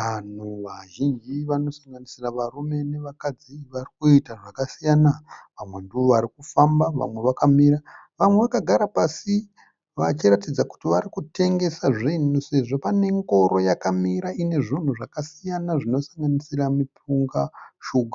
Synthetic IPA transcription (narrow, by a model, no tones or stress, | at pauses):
ʋan̤uʋaʒind͡ʒiʋano̞saŋɡanisiraʋarume̞ne̞ʋakad͡ziʋarikuitaʐakasijanaʋamwe̞nduoaɾikufambaʋa̰mwe̞ʋakamiɾa | ʋamwe̞ʋakaɡʱaɾapasi | ʋat͡ʃiratid͡zaku̥tiʋaɾikute̞ŋɡe̞saʐinuse̞ʐo̞pane̞ŋɡo̞ɾo̞jakamiɾaine̞ʐin̤uʐakasijanaʐino̞saŋɡanisiramipuŋɡaʃuɡʱa